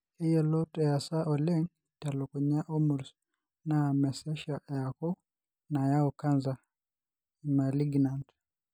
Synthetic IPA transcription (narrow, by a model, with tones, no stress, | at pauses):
hi˦jɔlɔtɛja˨saʔɔlɛ˦ŋ | ta˨lɔ˨kuɲa˦ʔɔ˦muɾs | namɛ˨sɛ˦ʃa˨jakɔ˦ | na˨jaɔka˦nza˨ | ima˨liɡnant